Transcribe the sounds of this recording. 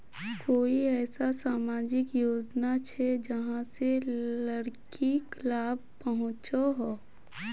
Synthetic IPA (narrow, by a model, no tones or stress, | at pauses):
koːiɛːsasaːmaːd͡ʒɪkjoːd͡ʒnat͡ʃʰɛd͡ʒɐɦãselɐɾkiklaːbpɐɦʊ̃t͡ʃoɦoː